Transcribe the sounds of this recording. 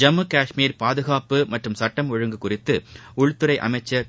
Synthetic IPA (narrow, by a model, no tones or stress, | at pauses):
d͡ʒɐmːɯkaːʂmiːɾpaːðɯɣaːpɯmɐʈrɯmsɐʈːɐmɔɻɯŋɡɯkːʊrɪt̪ːɯʊɻt̪ːɯɾɐɪʔɐ̰mɐɪt͡ʃːɐɾ